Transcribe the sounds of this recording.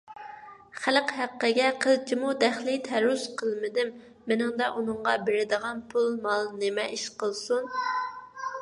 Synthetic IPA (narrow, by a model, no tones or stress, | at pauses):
χælqɦæqːəɡʲɛqʰəlˠt͡ʃʰimud̪æχlɪt̪ʰæɾusqʰəlˠmɪd̪ɪmː | ɪnɪŋd̪ɑʔunɨɴʁɑbɪɾɪd̪əʁɑnpʰulˠmɑlˠnɪmɛʔiʃqəlˠsun